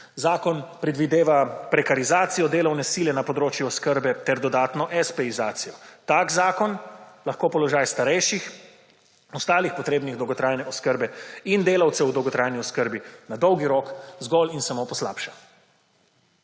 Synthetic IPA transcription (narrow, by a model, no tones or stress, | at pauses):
zaːkɔnpɾɛd̪ʋid̪eːʋapɾɛkaɾizaːt̪sijɔd̪eːlɐwnɛsilɛnapɔd̪ɾoːt͡ʃjuɔskəɾbɛt̪ɛɾd̪ɔd̪aːt̪nɔʔɛspɛizaːt̪sijɔt̪aːkzaːkɔnlaxkoːpɔlɔʒajst̪aɾɛjʃix | ɔst̪aːlixpɔt̪ɾeːbniɣd̪ɔwɡɔt̪ɾajnɛɔskəɾbɛind̪eːlawt̪sɛwd̪ɔwɡɔt̪ɾajniɔskəɾbinad̪ɔwɡiɾoːkzɡɔlinsamopɔsla̰ːpʃa